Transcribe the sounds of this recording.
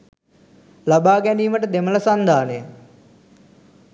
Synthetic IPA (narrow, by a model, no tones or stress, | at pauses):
labaːɡæniːməʈəd̪emələsand̪ʱaːne